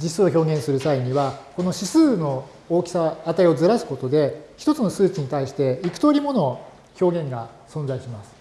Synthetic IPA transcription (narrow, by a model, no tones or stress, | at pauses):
d͡ʑisɨoço̞ːɡẽ̞ɰ̃sɨɾɯ̟saiɲ̟iβako̞no̞ɕisɨːno̞ | oːkʲi̥saːt̪aio̞zɨɾasɨ̥ko̞t̪o̞d̪e̞çi̥t̪o̞t͡sɨno̞sɨːt͡ɕiɲ̟it̪aiɕi̥t̪e̞ikɯ̥t̪o̞ɾʲimo̞no̞ | ço̞ːɡẽ̞ŋɡa | sõ̞nzaiɕimasɨ̥